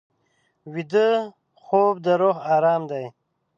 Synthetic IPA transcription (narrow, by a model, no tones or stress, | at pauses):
wid̪ə | χoːb̚d̪əɾoɣɑːɾɑːmd̪aj